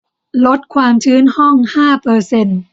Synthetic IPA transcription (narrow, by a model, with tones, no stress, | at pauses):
lo˦˥t̪̚kʰwaː˧mt̪ʰɯː˦˥nhɔ˥˩ŋhaː˥˩pɤː˧se˧n